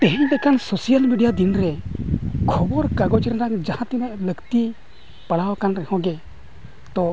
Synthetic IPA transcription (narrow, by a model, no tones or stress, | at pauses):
t̪ɛɦɛɲdɛkansɔsijalmiɖijad̪inɾɛ | kʰɔbɔɾkaɡɔd͡ʒiɾnaŋd͡ʒahãt̪inɛʔləkt̪i | paɽawkanɾɛhɔ̃ɡɛ | d̪̥ɔ